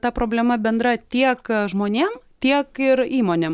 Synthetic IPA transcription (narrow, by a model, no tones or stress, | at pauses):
t̪ɐpɾoːbʲlʲɛmɐbʲɛnd̪ɾɐt̪ʲiɛkʒmoːnʲeːmt̪ʲiɛkɪɾiːmoːnʲeːm